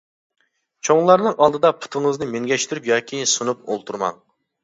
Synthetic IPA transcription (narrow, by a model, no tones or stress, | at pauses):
t͡ʃʰoŋlˠɑɾnɨŋɑlˠd̪ɨd̪ɑpʰu̥t̪ʰɨŋɨznɨmeŋɡʲɛʃt̪ʰyɾypjɑːkʲʰisunup̚o̰lˠt̪ʰuɾmɑ̰ŋ